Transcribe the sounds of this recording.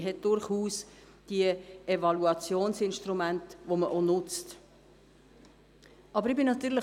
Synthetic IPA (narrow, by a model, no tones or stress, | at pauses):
ɦɛt̚d̥ʊɾχuːs | d̥iəɛvɑluɑt͡sjoːnsɪnʃtrumæntvoməʔonʊt͡st | ʔɑbəɾɪbɪnɑt̪yːlə